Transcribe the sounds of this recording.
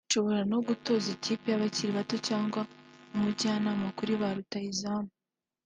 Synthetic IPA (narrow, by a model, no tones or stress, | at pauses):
ʃo̞βo̞ɾano̞ɡuto̞zeciːpijaβaciɾiβato̞caːŋɡwaumuɟaːnaːmakuɾiβaɾutaizamu